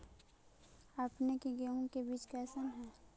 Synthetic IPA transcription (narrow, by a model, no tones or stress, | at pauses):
apnekeɡeõkebiːt͡ʃkɛːsənɦɛː